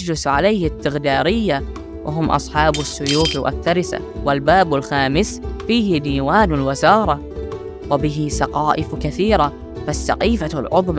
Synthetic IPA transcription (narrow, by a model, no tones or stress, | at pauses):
lʊsʕalajhɪt̪ːɪɣd̪aːɾɪjːa | wʔɪ̰ɦʊmːʔɑ̰sˤħɑːbasːʊjuːfwʔa̰θːaɾɪsa̰wɪlbaːbɪlxaːmɪsfiːhɪd̪iːwaːnɪlwɪzɑːɾˤɑ | wɪbɪɦɪsɑqɑːʔɪfkaθiːɾa | fasːa̰qiːfalʕʊðˤm